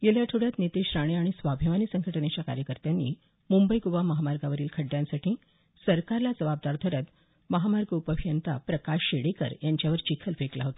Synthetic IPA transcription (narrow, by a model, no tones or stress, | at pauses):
ɡeljat̪ʰoɽjat̪nit̪iɕɾaɽ̃iaɽ̃isʋabʱiʋaniːsəŋɡʱəʈəɳet͡ɕjaka̰ɾjəkəɾt̪janːḭ | mumbəjɡuʋaməɦamaɾɡaʋəɾiːlkʰəɖːjãnsaʈʰiː | səɾkaɾlad͡zəbab̚d̪aɾd̪ʱəɾət̪ | məɦamaɾɡəupəbʱijənt̪a̰pɾəkaɕɕeɽikə̰ɾjaɲt͡ɕjaʋəɾt͡ɕikʰəlfeklaɦot̪ḁ